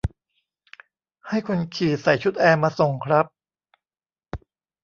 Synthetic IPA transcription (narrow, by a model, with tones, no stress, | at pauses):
ha˥˩jkʰo˧nkʰiː˨˩sa˨˩jt͡ɕʰu˦˥t̪̚ʔɛː˧maː˧so˨˩ŋkʰɾa˦˥p̚